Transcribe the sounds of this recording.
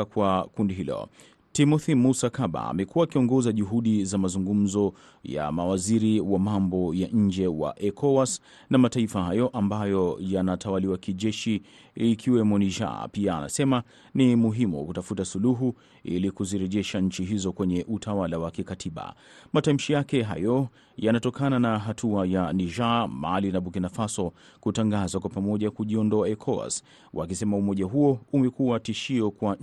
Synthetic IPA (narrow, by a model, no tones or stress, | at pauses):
kwakundiɦilɔ̰ | timɔθimusakaɓa̰ːmɛkuaːkiɔŋɡɔzaʄuɦuɗizamazuŋɡum̩zɔ | ja̰mawaziɾiwamambɔjaʔɲ̩d͡ʒɛwa̰ʔɛkʰɔwas | namataifahajɔʔambajɔjanatʰawaliwakiʄɛʃi | ikʰiwɛmɔniʒa̰pia̰ːna̰sɛma | nimuɦimṵkutafutasuluɦu | ḭlikuziɾɛʄɛʃaɲ̩t͡ʃiɦizɔkwɛɲɛʔutʰawalawakikatʰiɓa̰ | matam̩ʃijakɛɦa̰jɔ | janatɔkʰananaɦatʰuajaniʒamalinaɓukinafasɔ | kutaŋɡazakwapamɔʄakuʄiɔndɔaɛkʰɔa̰s | wʔa̰kisɛmaumɔʄaɦuɔumɛkuatiʃiɔkwa